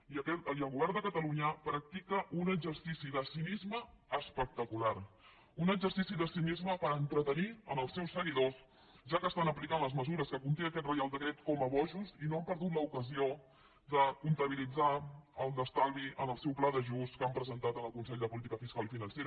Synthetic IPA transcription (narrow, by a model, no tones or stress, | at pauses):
iəkɛəlˠɣuβɛrnd̪əkət̪əluɲəpɾək̚t̪ikəʔunəɡzəɾsisiðəsinizməːspək̚t̪əkulaɾ | unəɡd͡ʒəɾsisiðəsinizməpəɾənt̪ɾət̪əniənəlˠsːɛwsːəɣiðos | ʒakəːst̪anəplikanləzməzuɾəskəkunt̪eəkɛt̪̚rəjalˠd̪əkɾet̪kɔməβɔʒuzinoəmpəɾðut̪̬ləukəzio | d̪əkunt̪əβilid͡zaəlˠnəst̪alˠɣiʔənəlˠsɛwplaðəʒuskampɾəzənt̪at̪ənəlˠkunsɛʎd̪əpulit̪ikəfiskalˠifinənseɾə